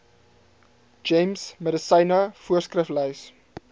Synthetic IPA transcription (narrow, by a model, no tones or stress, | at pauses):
d͡ʒɛjmsmədəsəjnɐfuərskrəflœjs